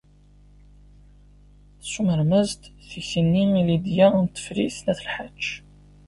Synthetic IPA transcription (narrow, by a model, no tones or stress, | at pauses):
sːuməɾmæzt̪θəçənːiilid̪jænt̪ːə̥fɾiθnæθəlħḁʒː